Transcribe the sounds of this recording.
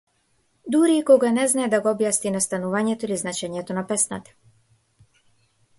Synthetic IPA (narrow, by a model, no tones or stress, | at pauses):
d̪uɾiːkɔɡanɛznaɛd̪aɡɔbjasninast̪anuvaɲɛt̪ɔiliznat͡ʃɛɲɛt̪ɔnapɛsna̰t̪ḁ